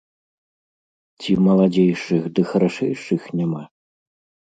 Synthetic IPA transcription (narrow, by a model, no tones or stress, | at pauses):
t͡sʲimɐlˠad͡zʲejʂɨxd̪ɨxɐɾaʂɛjʂɨxnʲama